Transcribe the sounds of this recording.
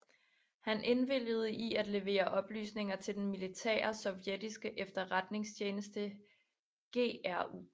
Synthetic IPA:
hænʔe̝nʋel̰jəð̞̩ˠəʔiæd̥le̝ʋe̝̰ːɐʔɒ̽b̥ly̰ːsne̝ŋɐt͡sʰe̝ld̥enmilit͡sʰɛ̰ːɐɐsɒ̽ʊjed̥isɡ̥əʔefd̥ɐʁad̥ne̝ŋst͡ɕʰeːnəsd̥ə | ɡ̥e̝̰ːæɐṵ

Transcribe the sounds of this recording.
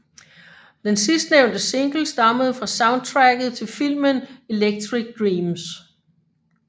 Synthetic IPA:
d̥ensisd̥neʊ̰nd̥əse̝ŋɡ̥l̩sd̥ɑ̈məð̞̩ˠfʁɑ̈sɑ̈ʊnd̥̚t͡sʰʁæɡ̥ð̞̩ˠt͡sʰe̝lfil̰məne̝leɡ̥̚t͡sʰʁiɡ̥̚d̥ʁiːms

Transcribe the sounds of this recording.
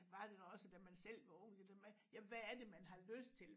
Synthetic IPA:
ʋɑ̈d̥e̝dɒɒ̽səd̥æmænsel̰ʋɑ̈ɔ̽ŋ̰̥d̥emæjæʋæːɐd̥e̝mænɦɑ̈løsd̥̚t͡sʰe̝l

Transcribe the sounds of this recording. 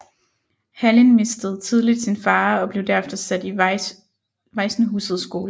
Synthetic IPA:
hælinme̝sd̥əð̞̩ˠt͡sʰið̞ˠlid̥sinfɑ̈ːɒ̽b̥le̝ʊd̥æɐefd̥ɐsæd̥i | ʋɑ̈ɪsnəɦuːsð̞̩ˠsɡ̥o̝ːlə

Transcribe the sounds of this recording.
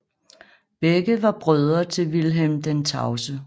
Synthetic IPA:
b̥eɡ̥əʋɑ̈b̥ʁœð̞ˠɐt͡sʰe̝lʋilɦemd̥ent͡sʰɑ̈ʊsə

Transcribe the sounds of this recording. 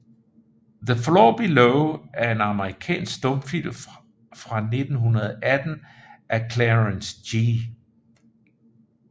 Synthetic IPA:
ðəflɔːb̥iloʊæɐe̝nɑ̈məʁikʰɛ̰ːnsɡ̥sd̥ɔ̽mfil̰m | fʁɑ̈ne̝d̥n̩ɦunɐðˠʔæd̥n̩ʔækʰleʁənsdi

